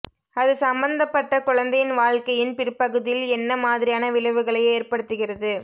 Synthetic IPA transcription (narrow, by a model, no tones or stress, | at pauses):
ɐðɯsɐmbɐnd̪ɐpːɐʈːɐkʊɻɐnd̪ɐjɪnʋaːɻkɐjɪnpɪɾpːɐɣɯðɪjɪlɛnːɐmaːðɪɾɪjaːnɐʋɪɭɐʋɯɣɐɭɐɪeːrpɐɽɯt̪ːɯɣɪrɐðɯ